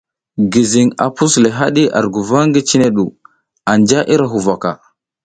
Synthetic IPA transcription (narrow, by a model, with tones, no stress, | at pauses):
ɡi˨zi˨ŋa̰˨pu˦sle˨ɦa˦ɗi˦ʔa̰˨ɾɡu˨va˦ŋɡi˦t͡ʃi˦ne˦ɗu˨ | a˨nd͡ʒa˦ʔi˦ɾa˨ɦu˨va˨ka˨